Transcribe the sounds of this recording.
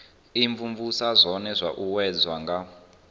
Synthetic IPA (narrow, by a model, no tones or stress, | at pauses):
iɱvuɱvusazʷɔnɛzʷaʔuwɛd͡zwaŋɡa